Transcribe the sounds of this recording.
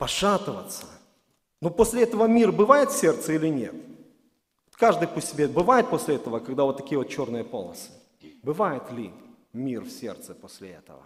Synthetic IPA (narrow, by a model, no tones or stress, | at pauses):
pɐʂat̪ɨvət̪sːə̥ | nuposʲlʲɪɛt̪əvəmʲirbɨvajɪt̪fʲsʲe̞rt̪səilʲɪnʲe̞t̪̚ | vot̪kaʐd̪ɨjpʊsʲɪbʲebɨvajɪt̪̚posʲlʲɪɛt̪əvəkɐɡd̪avo̞t̪ːɐkʲijəvot̪̚t͡ɕo̞rnɨjəpolˠnəsɨ̥ | bɨvajɪt̪lʲɪ | mʲirfsʲe̞̰rt̪sɨposʲlʲɪ̰ɛ̰t̪ə̰və̰